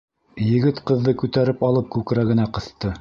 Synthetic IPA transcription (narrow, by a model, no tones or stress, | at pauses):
jɘ̆ɡɘt̪qɤ̆ðːɤkʉt̪æɾɘpɑlˠɤp̚kʉkɾæɡɘ̆næqɤ̆θt̪ɤ